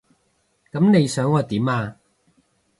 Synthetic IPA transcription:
kɐ˨˥mne˨˧jsœː˨˥ŋːɔː˨˧t̪iː˨˥maː˧

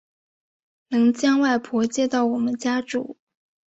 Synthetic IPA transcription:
nɤ˧˥ŋt͡ɕjɑ˥ŋwa˥˩ɪpʰwɔ˧˥t͡ɕjɛ˥˧t̪ɑ˥˩ʊwɔ˨˩mə˦nt͡ɕja˥ʈ͡ʂṵ˨˩˦

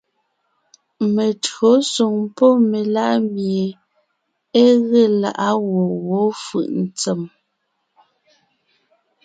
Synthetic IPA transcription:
me˨tɰo˨˦su˨ŋpɔ˦me˨la˦ʔmje˨ | e˦ɣe˦˨la̰˨ʔa˦wɔ˨wɔ˨˦fɯ̰˨ʔn˨t͡se˨m

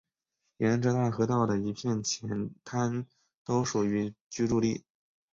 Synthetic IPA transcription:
jɛ˧˥nʈ͡ʂɤ˧˥t̪a˥˩xɤ˧˥t̪ɑ˥˩ʊd̪ə˩i˧˥pʰjɛ˥˩nt͡ɕʰjɛ˧˥nt̪ʰa˥n | t̪o˥ʊʂu˨˩y˧˥t͡ɕy˥ʈ͡ʂu˥˧li˥˩

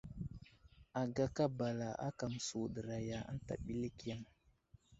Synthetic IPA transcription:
a˨ɡa˦ka˦ba˨la˨ʔa̰˦ka˨m˨su˨ɗə˨ɾa˨ja˨a̰˦n˦ta̰˨ɓi˦li˦ki˦a˦m

